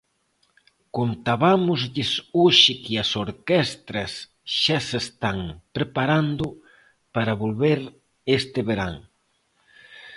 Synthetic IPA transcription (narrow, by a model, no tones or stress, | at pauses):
kont̪aβamʊzʎɪsoʃɪkɪɐsoɾkɛst̪ɾɐs | ʃasest̪aŋpɾepaɾand̪ʊ | paɾɐβolβeɾ | est̪ɪβeɾa̰ŋ